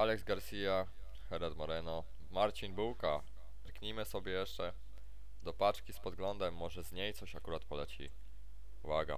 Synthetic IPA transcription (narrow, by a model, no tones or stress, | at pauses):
alɛɡzɡaɾsʲija | xɛɾat̪mɔɾɛnɔ | maɾt͡ɕinbuwka | ɾkɲimɘsɔbʲjɛjɛʂt͡ʂɛ | d̪ɔpat͡ʂkʲispɔd̪̚ɡlɔnd̪ɛmːɔʐɛzɲejt̪sɔɕakuɾat̪pɔlɛt͡ɕḭ | vaɡa̰